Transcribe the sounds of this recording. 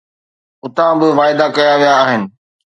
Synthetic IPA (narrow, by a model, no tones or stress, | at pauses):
ʊt̪ãbɪʋaːɪd̪akɐjaʋijaːɦɪnɪ̆